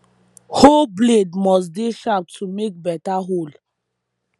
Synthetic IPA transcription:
holbledmɔs̬deʃap̚tʰumek̚bɛtaɦol

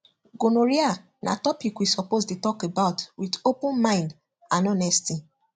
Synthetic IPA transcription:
ɡonoɹia | nʔa̰tɔpikwisɔpostutɔkebaʊtwidopũnmãɪ̃nd | ãnɔnɛsti

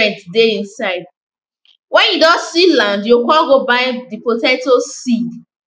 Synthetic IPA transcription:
ɛ̃ntdeĩnsaɪd̚ | wɛ̃njudɔsilãndjokɔlɡobaɪdipotɛ̃ntosi

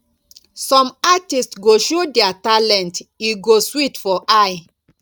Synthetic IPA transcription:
sɔ̃matistsɡoʃodɛatalɛ̃ntiɡoswitfɔʔaj

